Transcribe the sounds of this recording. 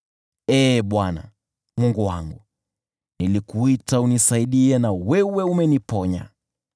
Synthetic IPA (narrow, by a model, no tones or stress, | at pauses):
ɛːɓwana̰ | mwuŋɡuwa̰ŋɡu | nilikuitaunisaiɗiɛnawɛwɛumɛnipɔɲa̰